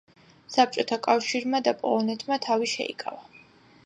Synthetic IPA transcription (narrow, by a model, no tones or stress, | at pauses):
sap̚t͡ʃʼɔt̪ʰakʼafʃiɾmad̪apʼɔ̰lˠɔnɛt̪ʼʰmat̪ʰaviʃɛ̰ḭkʼa̰va